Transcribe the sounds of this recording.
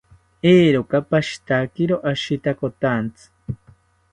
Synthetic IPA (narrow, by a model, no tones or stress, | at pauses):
eːɾokapaʃi̥t̪akiɾoʔaʃit̪akot̪ant͡sɨ̥